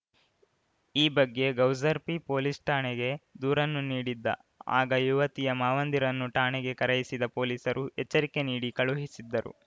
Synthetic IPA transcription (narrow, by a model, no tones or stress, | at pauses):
iːbɐɡːe̞ɡɐwzɐɾpipo̞ːlisʈaːɳeɡe̞d̪uːɾɐnːuniːɽid̪ːɐ̰ | a̰ːɡɐjuʋɐt̪ijɐmaːʋɐnd̪iɾɐnːuʈaːɳeɡe̞kɐɾɐjisid̪ɐpo̞ːliːsɐɾuɦɛt͡ʃːɐɾike̞niːɽikɐɭuɦisid̪ːɐɾṵ